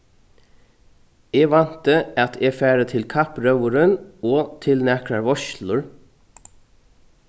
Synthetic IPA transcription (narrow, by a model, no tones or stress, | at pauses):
eːɡʋɑnt̪əɑt̪ʰeːfæːɾət̪ʰɪlkʰɑpɾœʋʊɾənoːt̪ʰɪlnɛkɹɑɹʋɔʃlʊɹ